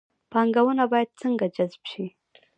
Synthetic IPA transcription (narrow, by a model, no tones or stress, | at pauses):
pɑŋɡawənabɑjad̪̚t͡səŋɡad͡ʒazbʃi